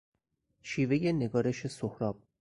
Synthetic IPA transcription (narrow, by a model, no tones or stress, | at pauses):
ʃiːveje̞ne̞ɡɒːɾe̞ʃe̞sohɾɒːb̥̚